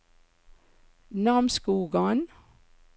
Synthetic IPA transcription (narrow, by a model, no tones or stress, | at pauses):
nɑmskuːɡɑn